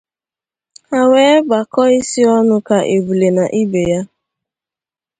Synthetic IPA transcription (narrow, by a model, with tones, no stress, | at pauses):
a˨weː˦ɡ͡ba˨kɔ˦i˦si˦ɔ˦nʊ˦ka˦ʔe˨bu˨le˨na˨ʔi˦be˨ja˦